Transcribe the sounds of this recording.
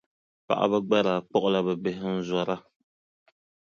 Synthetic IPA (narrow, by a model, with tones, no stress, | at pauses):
pa̰˨ʔa̰˦βa˦ɡ͡ba˦ɾaː˨k͡pɔ˦ʔʊ˦la˦bɛ˨bɛ˦ɦɪ˦n̩˦za˦ɾa˦